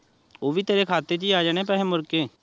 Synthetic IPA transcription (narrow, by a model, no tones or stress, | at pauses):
oːʋiːt̪eːɾeːkʰaːt̪et͡ʃiːaːd͡ʒaːɽ̃eːpɛɦẽːmʊɾkeː